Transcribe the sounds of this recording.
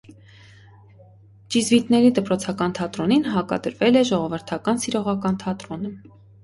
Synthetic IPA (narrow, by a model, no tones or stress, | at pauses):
d͡ʒizvit̪nɛɾid̪əpɾɔt͡sʰɑkɑnt̪ʰɑt̪ɾɔninɦɑkɑ̰d̪əɾvɛlɛʒɔʁɔvəɾt̪ʰɑkɑnsiɾɔʁɑkɑnt̪ʰɑt̪ɾɔnə